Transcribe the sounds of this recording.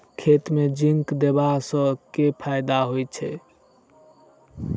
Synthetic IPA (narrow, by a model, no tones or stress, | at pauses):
kʰet̪med͡ʒiŋkd̪ebasə̃kepʰajd̪aɦojt͡ʃʰɛ